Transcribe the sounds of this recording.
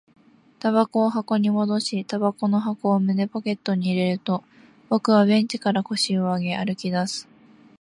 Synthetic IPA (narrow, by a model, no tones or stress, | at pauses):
t̪aβako̞ːɦako̞ɲ̟imo̞d̪o̞ɕit̪abako̞no̞ɦako̞ːmɯ̟ne̞poke̞t̪ːo̞ɲ̟iːɾe̞ɾɯ̟t̪o̞ | bo̞kɯ̟βaβẽ̞ɲ̟t͡ɕi̥kaɾako̞ɕio̞aɡe̞aɾɯ̟kʲid̪asɨ̥